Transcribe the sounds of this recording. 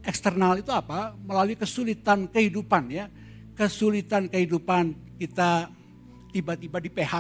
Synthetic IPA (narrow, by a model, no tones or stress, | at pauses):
ʔɛkst̪ərnalit̪uapaməlaluikəsulit̪ankəhidupanja | kəsulit̪ankəhidupan | kit̪a | t̪ibat̪ibadipeha